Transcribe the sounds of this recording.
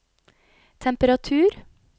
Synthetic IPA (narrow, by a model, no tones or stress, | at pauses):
t̪ʰɛmpəɾɑt̪ʰʉːɾ